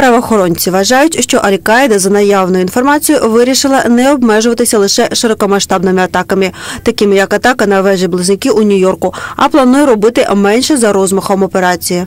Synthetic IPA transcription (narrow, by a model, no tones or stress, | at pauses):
pɾɐʋɔːxɔɾɔnʲt͡sʲiʋɐʒɑjʊtʲʃt͡ʃɔʔɐlʲkɑjd̪ɐzɐnɐjɑʋnʊjʊinfɔrmɑt͡sʲijʊʋɪɾʲiʃɪlˠɐnɛɔbmɛʒʊʋɐt̪ɪsʲɐlˠɪʃɛʃɪɾɔkɔmɐʃt̪ɑbnɪmɪɐt̪ɑkɐmɪt̪ɐkɪmɪjɐkɐt̪ɑkɐnɐʋɛʒɛblˠɪznɪkɪʔunʲʊjɔrkʊɐplˠɐnujɛɾɔbɪt̪ɪmɛnʲʃɛzɐɾɔzmɐxɔmɔpeɾɑt͡sʲiji